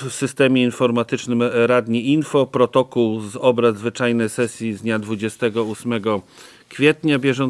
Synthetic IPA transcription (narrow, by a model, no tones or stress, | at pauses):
fsɘst̪ɛmʲjɛinfɔɾmat̪ɘt͡ʂnɘmɾad̪ɲiʔinfɔpɾɔt̪ɔkuwzɔbɾazvɘt͡ʂajnɛjsɛsʲjizd̪ɲad̪vud͡ʑɛst̪ɛɡɔusmɛɡɔ | kfʲjɛt̪ɲabʲjɛʐɔn